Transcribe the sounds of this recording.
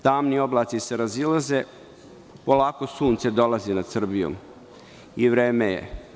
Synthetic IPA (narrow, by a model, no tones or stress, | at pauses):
t̪aːmnio̞blˠaːt̪siseɾazilˠaze | po̞laːko̞suːnt̪se̞d̪o̞lˠazinad̪sr̩bijo̰m | iʋɾeːmejḛ